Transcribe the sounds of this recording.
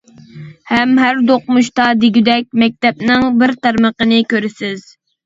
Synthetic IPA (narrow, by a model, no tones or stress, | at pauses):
hɛmɦæɾd̪oqmuʃt̪ɑd̪ɪɡʲyd̪ɛk̚ʲmɛk̚ʲt̪ɛp̚nɪŋbɪɾt̪æɾməqənɪkʲøɾɪsɪz̥